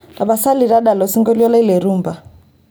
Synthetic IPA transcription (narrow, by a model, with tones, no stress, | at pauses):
la˨ba˨sa˦li˨ɾa˦da˨lɔ˨si˦ŋɡɔ˦li˦ɔ˦la˦i˦le˨ɾuː˦mba˨